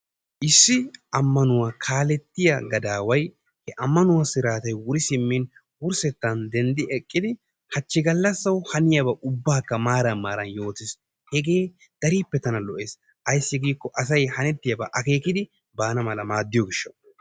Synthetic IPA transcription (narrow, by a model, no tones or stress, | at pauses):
ʔɪsːɪʔɐmːɐnʊwakʰaːlɛt̪ːɪjɐ̰ɡɐd̪aːwɐj | hɛʔɐmːɐnʊwɐsɪɾaːt̪ɐjwʊɾɪsɪmːin | wʊɾsɛt̪ːɐnd̪ɛnd̪ɪɛkʼːɪd̪ɪ | hɐt͡ʃːɪɡɐlːɐsːɐwhɐnɪjɐbɐʔʊbːaːkːɐmaːɾɐnmaːɾɐnjo̞ːt̪ɪs | hɛɡeː | d̪̥ɐɾiːpːɛt̪ɐnɐlɔʔeːs | ʔɐjsːɪɡiːkːɔʔɐsɐjhɐnɛt̪ːɪjɐbɐʔɐke̞ːkɪd̪ɪ | baːnɐmɐlɐmaːd̪ːɪjɔɡɪʃːɐ